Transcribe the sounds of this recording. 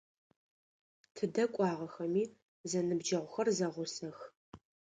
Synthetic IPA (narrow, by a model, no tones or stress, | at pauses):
tʰɨdɐkʷʼɑːʁɐxɐmiː | zɐnɨbd͡ʒɐʁʷʊxɐrzɐʁʷʊsɐx